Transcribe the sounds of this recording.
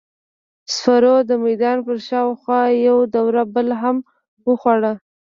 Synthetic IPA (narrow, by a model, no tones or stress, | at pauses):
sfaɾod̪əmajd̪ɑnpəɾʃɑwxwɑjawd̪awɾabəlɦam | wəxwaɽa